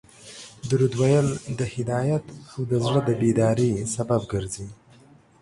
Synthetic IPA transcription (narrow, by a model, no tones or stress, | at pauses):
d̪uɾud̪wajəld̪əhɪd̪ɑjat̪awd̪əzɽəd̪əbed̪ɑɾesababɡəɾzi